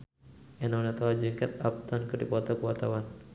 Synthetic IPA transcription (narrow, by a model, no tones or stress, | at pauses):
ɛnɔnat̪ɔad͡ʒɨŋkɛt̪ap̚t̪ɔnkɨrdipɔt̪ɔkəwat̪awan